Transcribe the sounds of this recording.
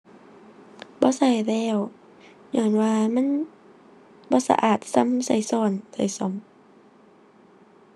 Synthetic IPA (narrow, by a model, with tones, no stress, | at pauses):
bɔː˧˦sa˨˩jlɛː˧˩w | ɲɔː˧˩nwaː˧ma˧˥˨n | bɔː˧˦sa̰˧ʔaː˨˩t̪̚sa˧˥˨msa˨˩˦jsɔː˧˩nsa˨˩jsɔ˧˩˦m